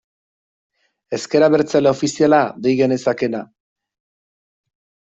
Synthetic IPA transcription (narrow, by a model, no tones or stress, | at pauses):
e̞ske̞ɾaβe̞ɾt͡salao̞fisialad̪ejɣe̞ne̞sake̞na